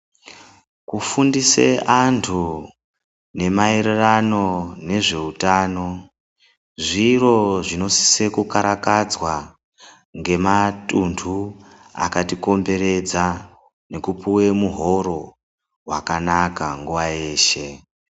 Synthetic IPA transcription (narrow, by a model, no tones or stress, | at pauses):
kufundiseʔantʰu | ne̞maeɾerano̞ne̞ʐe̞utaːno̞ | ʐiro̞ʐino̞si̥se̞kukaɾakad͡zwa | ŋɡe̞matuntʰu | a̰katiko̞mbe̞ɾe̞d͡za | ne̞kupuwe̞muɦo̞ɾo̞ | wakanakaŋɡuʋaje̞ːʃe̞